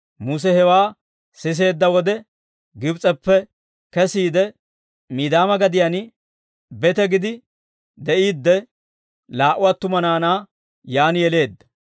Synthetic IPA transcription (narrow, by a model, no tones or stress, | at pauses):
mus̬ɛhɛwaː | sɪs̬e̞ːd̪ːɐwɔd̪ɛ | ɡɪbt͡sʼɛpːɛ | kɛsiːd̪ɛ | miːd̪aːmɐɡɐd̪ɪjan | bɛt̪ɛɡɪd̪ɪ | d̪ɛʔiːd̪ːɛ | laːʔʊwat̪ːʊmɐnaːnaː | jaːnɪjɛle̞ːd̪ːɐ